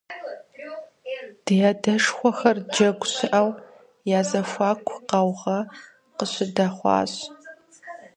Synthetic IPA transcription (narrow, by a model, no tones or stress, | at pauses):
d̥ɨjaːdɐʂxʷɔxɐrd͡ʒɐɡʷɕɪʔɐw | jaːzɐfʷɑːkʷʰqɐwʁɐ | qəɕɪdɐχʷɑ̰ːɕ